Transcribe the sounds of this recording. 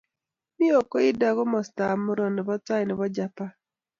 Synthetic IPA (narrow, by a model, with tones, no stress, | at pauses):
mi˦o˨ko˦ɪ˦da˨ɡo˦mɔ˨sta˨mʊ˦ɾɔ˨nɪ˨bɔ˦ta˦jnɪ˨bɔ˦d͡ʒa˦pa˦